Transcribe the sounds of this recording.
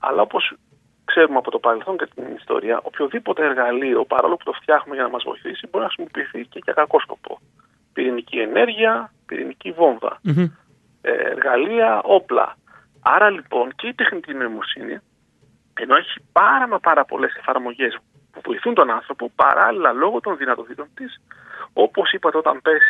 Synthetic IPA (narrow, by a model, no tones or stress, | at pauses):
ɐ̰lɐ̰o̞po̞s | kse̞ɾumeɐpo̞t̪o̞pɐɾe̞lθo̞nɲcet̪inist̪o̞̰ɾiɐ̰ʔo̞pçoðipo̞t̪e̞eɾɣɐliopɐɾɐ̰olopu̥t̪o̞ft̪çɐxumeʝɐnɐmɐzvo̞̰iθisibo̞ɾinɐxɾisimo̞piːθice̞ʝɐkɐko̞sko̞po̰ | piɾinicie̞ne̞ɾʝiɐpḭɾḭnicivo̞nðɐ̰ | ḛḛɾɣɐliɐʔo̞plɐ̰ | ɐɾɐlipo̞nce̞it̪e̞xnit̪ino̞imo̞sinḭ | e̞no̞eçipɐɾɐmɐpɐɾɐpo̞le̞se̞fɐɾmo̞ʝe̞s | puvo̞̰iθunt̪o̞nɐnθɾo̞po̞pɐ̰ɾʔɐlilɐlo̞ɣo̞t̪o̞nðinɐt̪o̞t̪it̪o̞nt̪iso̞po̞sipɐt̪eo̞t̪ɐmpe̞si̥